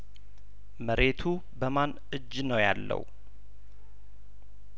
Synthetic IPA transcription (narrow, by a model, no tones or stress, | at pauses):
məɾe̞t̪ʰu | bəman | ɨd͡ʒːnəwja̰lːə̰w